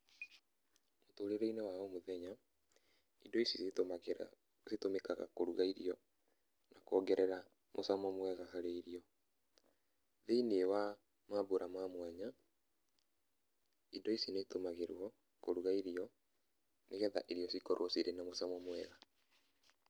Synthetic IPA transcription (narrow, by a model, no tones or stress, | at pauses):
motoːɾeɾeinewaɔmoðɛɲa | idɔisis | setomekaɣa̰koɾuɣaiɾiɔ | nakɔɡɛɾʔɛɾa | mosamɔmwɛɣaɦaɾeiɾiɔ | ðeinewa | maboɾamwamwaɲa | idɔisinetomaɣeɾwɔ | koɾuɣaiɾiɔ | neɣɛðaʔeɾiɔsikɔɾwɔsiɾʔenamosamɔmwɛɣa